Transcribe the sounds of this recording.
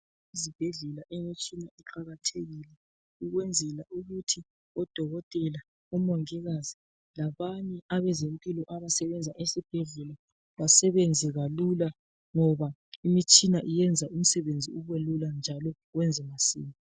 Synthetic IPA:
izib̥ʱeɮɛlaʔemit͡ʃʼinaiǃaɣatʰeɣilɛ | uɣwɛnd͡zʱɛlaʔuɣutʰi | ɔd̥ʱɔɣɔtʼɛla | umɔŋɛɣazi | laβaɲɛaβɛzempʼilɔʔaβasɛβɛnd͡zʱaʔesib̥ʱeɮɛla | βasɛβɛnd͡zʱɛɣalula | ŋɔβaimit͡ʃʼinaʔijɛnd͡zʱaum̩sɛβend͡zʱiuβɛluland͡ʒʱalɔɣwɛnd͡zʱɛmasḭːmi

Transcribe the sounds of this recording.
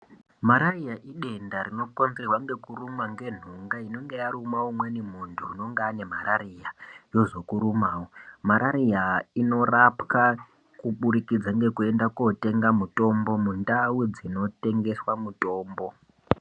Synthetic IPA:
maɾarijaʔiɗe̞ndaɾino̞ponzerwaŋɡe̞kurumaŋɡe̞n̤uŋɡaino̞ŋɡe̞jaɾumawomwenimuntʰuːno̞ŋɡaːne̞m̤aɾarijajo̞ʐo̞kuɾumaːwomaɾaɾijaino̞rapka | kuɓuɾikid͡zaŋɡe̞kue̞ndakote̞ŋɡamuto̞mbo̞mundawid͡zino̞te̞ŋɡe̞swamuto̞ːmbo̞

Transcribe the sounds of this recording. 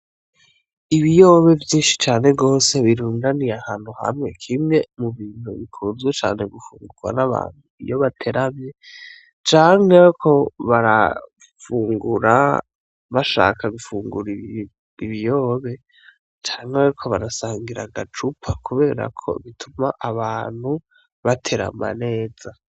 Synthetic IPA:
iβijo̞ːβe̞vjiːnʃi̥t͡ʃaːne̞ɡo̞ːse̞βiɾuːndanijahaːn̥huha̰mŋe̞kʰimŋe̞muβiːn̥uβikʰuːnzɡwet͡ʃa̰ːne̞ɡufuːŋɡuɡwa̰naβa̰ːn̥huḭjo̞βatʰe̞ɾamje | t͡ʃaːŋekʰo̞βaɾa̰ | fuːŋɡuɾa | βaʃa̰ːkʰaɡufuːŋɡuɾi | iβijo̞ːβe̞ | t͡ʃaːŋheɾikʰo̞βaɾasaːŋɡiɾa̰ɡat͡ʃupʰakuβe̞ːɾa̰kʰo̞̰βitʰumaʔaβaːn̥hu | βatʰe̞ɾa̰ma̰ne̞ːz̥a

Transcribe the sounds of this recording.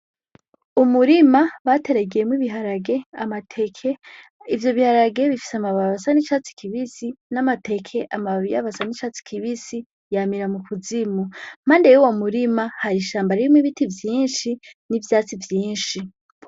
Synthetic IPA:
umuɾimaβate̞ɾeɡejemwiβiɦaɾaɡe̞amatʰekʰeivjo̞βihaɾaɡe̞βifi̥seamaβaβasanit͡ʃat͡si̥kʰiβisinamate̞kʰe̞ʔamaβija̰βasanit͡ʃat͡si̥kʰiβisi | jamiɾamukʰuzimum̥aːndejuwomuɾimahaɾiʃaːmbaɾimwiβitivjiːnʃinivjaːt͡sivjiːnʃi

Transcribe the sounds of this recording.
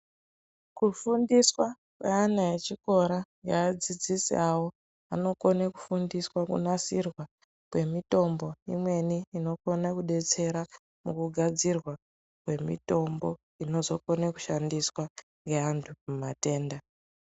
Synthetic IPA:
kufundiswa | kweanajet͡ʃiko̞ɾaŋɡeːd͡zid͡zisḭawo | a̰no̞konaku̥fundiswakṵnasirwa | kwe̞mito̞mbo̞imwe̞niːno̞konakuɗe̞t͡se̞ɾa | mukuɡʱad͡zirwa | kwe̞mḭto̞mbo̞ | ino̞zo̞ko̞naku̥ʃandiswa | ŋɡeantʰumumate̞ːnda

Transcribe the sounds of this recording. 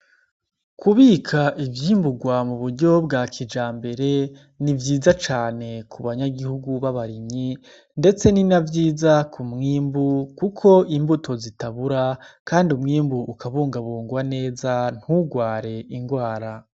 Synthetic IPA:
kʰuβiːkʰaʔivjiːmbuɡwamuβuɾɟo̞bɡaːkʰid͡ʒaːmbe̞ɾe̞ | nivjiːzat͡ʃaːne̞kuβaɲaɡihuɡuβaβaɾiɲɲi | nde̞t͡se̞ninavjiːzakʰumŋiːmbukukʰo̞imbuto̞zitaβuɾakaːndiumŋiːmbuːkʰaβuːŋɡaβuːŋɡwane̞ːzan̥huɡwaːɾe̞iŋɡwaːɾa

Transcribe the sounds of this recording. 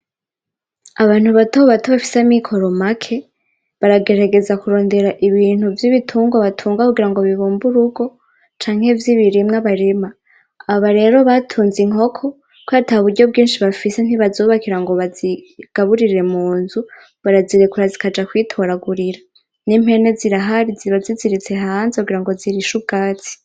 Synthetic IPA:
aβaːn̥huβatooβatoβafi̥samikʰo̞ɾo̞makʰe̞ | βaɾaɡe̞ɾaɡe̞zakuɾo̞ːnde̞ɾaʔiβiːn̥huvjiβitʰuːŋɡwaβatʰuːŋɡakuɡiɾaŋɡo̞βiβuːmbuɾuɡo̞ | t͡ʃaːŋ̥he̞vjiβiɾimŋaβaɾemaː | βaɾe̞ːɾo̞βatʰuːnziŋo̞kʰo̞ | kwaːtahuβuɾɟo̞b̚ɡiːnʃiβafise̞n̥iβazoːβakiɾaŋɡo̞βaziɡ̥aβuɾiɾe̞muːnzu | βaɾaziɾekuɾazikad͡ʒakwitʰo̞ɾaɡuɾiɾa | nim̥he̞ne̞ziɾaɦaɾiiβaziziɾit͡se̞ɦaːnzekuɡiɾaŋɡo̞ziɾiʃub̚ɡ̥aːt͡si̥

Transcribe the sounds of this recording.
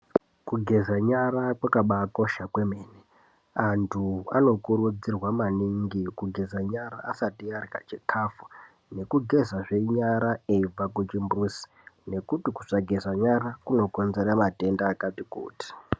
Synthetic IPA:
kuɡʱe̞zaɲaɾakwakaɓakoʃakwemeːne | antʰua̰no̞kurud͡zirwamaniŋɡikuɡʱe̞zaɲaɾaːsatiarka̰t͡ʃikʰafu | ne̞kuɡʱe̞zaʐe̞iɲaɾaeib͡vaket͡ʃimbrusi̥ | ne̞kutiku̥saɡʱe̞zaɲaɾakuno̞ko̞nze̞ɾamate̞ndaːkatikṵːti̥

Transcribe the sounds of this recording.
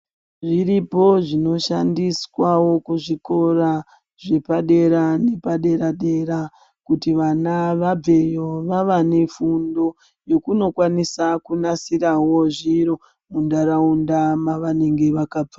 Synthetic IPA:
ʐiɾipo̞ʐino̞ʃandiswawo̞kuʐiko̞ɾa | ʐe̞paɗe̞ɾane̞paɗe̞ɾaɗe̞ɾa | kutiʋanaʋab͡ve̞jo̞ʋaʋane̞fundo̞ | jo̞kuno̞kwanisakunasiɾawo̞ʐiɾo̞ | mundaɾaundamaʋane̞ŋɡe̞ʋakaːb͡va

